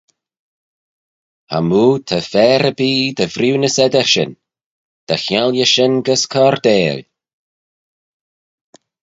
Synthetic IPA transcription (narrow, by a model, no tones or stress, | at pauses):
ha̰muːt̪ʰəfɛːɾəbiːd̪əvɾuwnəsɛd̪əʃɪ̰n | d̪̥axjaljəʃɪnɡəskʰɔːɾd̪eːl